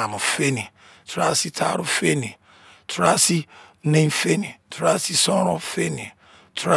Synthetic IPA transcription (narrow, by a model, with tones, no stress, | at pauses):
a˨mʊ˨fe˦ni˨ | tɾa˦si˦tʰa̰˦ɾʊ˦fe˦ni˨ | tʰɾa˦si˦nẽ˦n̩˦fe˦ni˨tʰɾa˦si˦sɔ̃˦ɾɔ˦fe˦ni˨ | tʰɾa˦